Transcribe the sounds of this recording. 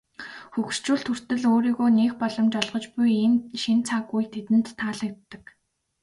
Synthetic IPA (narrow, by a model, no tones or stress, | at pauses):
xux̆r̥t͡ɕuːɬt̪ʰɵr̥t̪ɘ̆ɮoːɾiːɣoːneːxpɔɮɞ̆mt͡ɕɔɮʁɞ̆t͡ɕpujiːnʃint͡sʰaɣujt̪ʰet̪ɘ̆n̥t̪ʰːaːɮə̆k̚t̪ːə̆k